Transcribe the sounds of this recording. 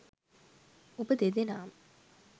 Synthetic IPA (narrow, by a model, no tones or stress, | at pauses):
obəd̪ed̪enaːm